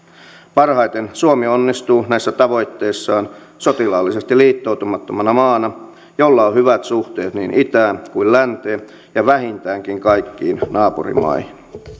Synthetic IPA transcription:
pɑrhɑjt̪ensuomionːist̪uːnæisːæt̪ɑʋo̞jt̪ːe̞isːɑːn | sot̪ilɑːlːisest̪iliːt̪ːout̪umɑt̪ːomɑnɑmɑːnɑ | jolːɑohyʋæt̪suht̪e̞ːt̪niːnʔit̪æːnkuillænt̪eː | jɑʋæɦint̪æːŋkiŋkɑjkːiːnnɑːpurḭmɑ̰ihin

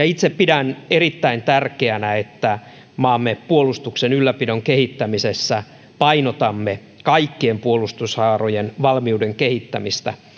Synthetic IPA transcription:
jɑit̪seppidænerit̪ːæint̪ærkeænæet̪ːæ | mɑːmːepuolust̪uksenylːæpidoŋkehit̪ːæmisesːæ | pɑinot̪ɑmːe | kɑikːiempuolust̪ushɑːrojenʋɑlmiuːdeŋkehit̪ːæmist̪æ

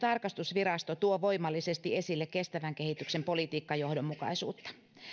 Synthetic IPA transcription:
t̪ɑrkɑst̪usʋirɑst̪ot̪uoʋo̞imɑlːisest̪iesilːekke̞st̪æʋæŋkehit̪yksempolit̪iːkːɑjo̞hdomːukɑ̰isṵːt̪ːɑ̥

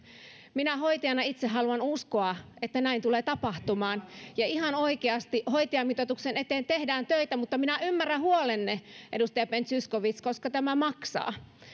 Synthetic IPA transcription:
minæhoit̪ijɑnɑit̪seɦɑluɑnuskoɑet̪ːænæint̪uleːt̪ɑpɑht̪umɑːnjɑihɑnoikeɑst̪iʔhoit̪iɑmit̪ot̪uksenet̪eːnt̪ehdæːnt̪øit̪æmut̪ːɑminæʔymːæræhuolenːeʔedust̪ɑjɑpent̪syskoʋit̪skoskɑt̪æmæmɑksɑ̰ː

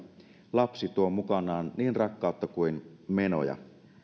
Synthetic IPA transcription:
lɑpsit̪uomukɑnɑːnniːnrɑkːɑˑot̪ːɑkuinmeno̰jɑ̰

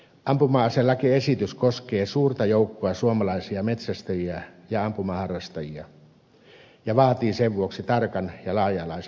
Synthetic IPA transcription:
ʔɑmpumɑːɑselːɑkiesit̪yskoskeːsuːrt̪ɑjoˑukːoɑsuomɑlɑisiɑmet̪sæst̪øjiɑjɑɑmpumɑhɑrːɑst̪ɑjiɑ̰ | jɑʋɑːt̪iːseʋʋuoksit̪ɑrkɑnjɑlɑːjɑlɑˑis

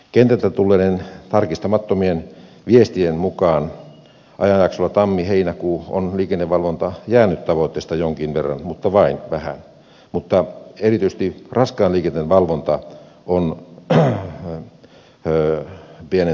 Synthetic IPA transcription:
kent̪ælt̪æt̪ulːeːnent̪ɑrkist̪ɑmɑt̪ːomien | ʋiest̪ienmukɑːn | ʔɑ̰jɑnjɑksolːɑt̪ɑmːiheinækuːo̰nliːkenːeʋʋɑlʋont̪ɑjæːnyt̪t̪ɑʋoit̪ːeːst̪ɑjoŋkinʋerːɑ̰nmut̪ːɑʋɑinʋæhæ̰n | mut̪ːɑerit̪yise̥s̆t̪irɑskɑːnliːkenːenʋɑlʋont̪ɑ | on | piene

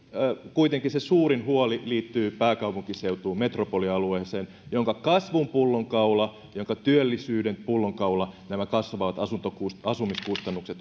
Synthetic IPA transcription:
kuit̪eŋkisesuːrinhuoliliːt̪ːyːpæːkɑupuŋkiseut̪uːmet̪ropoliɑlueːseːn | joŋkɑkɑsʋumpulːoŋkɑulɑ | joŋkɑt̪yølːisyːdenpulːoŋkɑulɑnæmækɑsʋɑːʋɑt̪ɑsunt̪okuɑsumiskust̪ɑnːukset̪

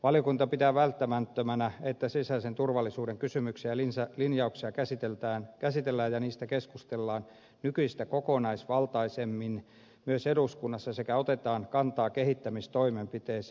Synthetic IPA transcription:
ʋɑlijokunt̪ɑpit̪æːʋælt̪ːæmæt̪ːømænæet̪ːæsisæsent̪urʋɑlːisuːdeŋkysymyksiɑlinsælinjɑuksiɑkæsit̪elt̪æːnkæsit̪elːæːjjɑniːst̪ækeskust̪elːɑːn | nykyist̪ækokonɑisʋɑlt̪ɑisemːin | myøseduskunːɑsːɑsekæot̪et̪ɑːŋnkɑnt̪ɑːkehit̪ːæmist̪oimempit̪eːs

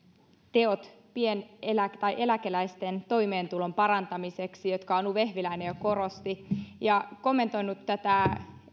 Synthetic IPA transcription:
t̪eot̪ | pienelækt̪ɑiʔe̞lækelæist̪ent̪o̞jme̞ːnt̪ulompɑɾɑnt̪ɑmiseksijo̞t̪kɑonːuʋehʋilæinejoko̞rost̪ijɑko̞mːe̞nt̪o̞inut̪ːæt̪æ

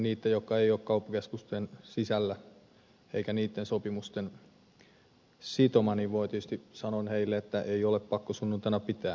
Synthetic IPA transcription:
niːt̪ːejokːɑeijoːkkɑupːɑ̥keskust̪ensisælːæ | eikæniːt̪ːensopimust̪en | sit̪omɑniʋʋoit̪it̪yst̪isɑnonheilːeet̪ːæʔeioleppɑkːosunːunt̪ɑnɑpit̪æː

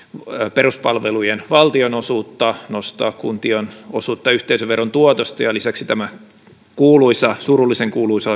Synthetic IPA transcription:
peruspɑlʋelujenʋɑlt̪ionosuːt̪ːɑnost̪ɑ̰ːkkunt̪ionosuːt̪ːɑyht̪eisøʋeront̪uot̪ost̪ɑjɑlisæksit̪æmæ | kuːluisɑsurulːiseŋkuːluisɑ

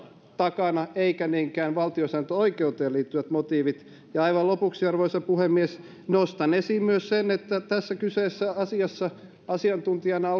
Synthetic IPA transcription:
t̪ɑkɑnɑeikæniːŋkæːnʋɑlt̪iosæːnt̪øoikeut̪eːliːt̪ːyʋæt̪mot̪iːʋit̪ | jɑɑiʋɑlopuksiɑrʋoisɑpuhemːies | nost̪ɑnesiːmmyøssenet̪ːæt̪æsːækyseːsːæɑsiɑsːɑ | ɑsiɑnt̪unt̪iɑnɑo

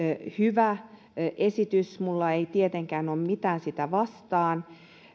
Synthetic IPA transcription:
hyʋæ | ʔesit̪ysmulːɑeit̪iet̪eŋkæːnoːmmit̪æːnsit̪æʋɑst̪ɑːn

